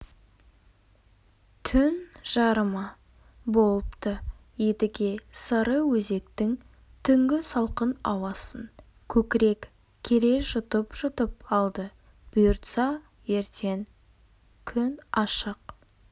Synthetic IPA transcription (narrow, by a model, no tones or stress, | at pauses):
t̪ʰʏnʒ̥ɑɾəmɑ | bo̞lˠəpt̪ə | jed̪ɪɡʲe̞səɾəwɵze̞k̚t̪ɪŋ | t̪ʰʏŋɡʲɪsɑlˠqənɑwɑsən | kʲʰɵkʲɪɾe̞k | kʲʰeɾe̞ʒʊt̪əpʒʊt̪əpɑlˠd̪ə | b̥ʊjʊɾt̪sɑ | je̞ɾt̪ʰe̞ŋ | kʲʰʏnɑʃəq